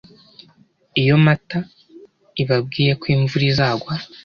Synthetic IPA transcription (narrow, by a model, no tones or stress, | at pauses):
ijo̞mata | iβabɡiːje̞kwiːɱvuɾizaːɡwaɾ